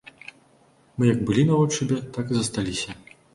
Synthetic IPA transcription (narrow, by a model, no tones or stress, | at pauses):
mɨjɐɡ̚bɨlʲinɐvɔt͡ʂɨbʲɛt̪akɨzɐst̪alʲisʲɐ